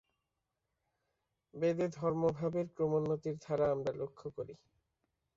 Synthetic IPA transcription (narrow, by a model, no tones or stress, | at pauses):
bed̪ed̪ʱɔɾmobʱabeɾkɾomonːot̪iɾd̪ʱaɾaamɾalokʰːokoɾi